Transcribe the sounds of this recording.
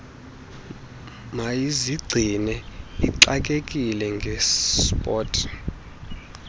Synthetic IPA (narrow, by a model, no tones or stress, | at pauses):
majiziɡ͡ǀʱinɛiǀak̬ʼekʼilɛŋɡʱɛspʼɔːtʰʼ